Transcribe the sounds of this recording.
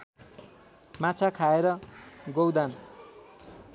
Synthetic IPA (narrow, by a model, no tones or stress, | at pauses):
mat͡sʰakʰaeɾʌɡowd̪an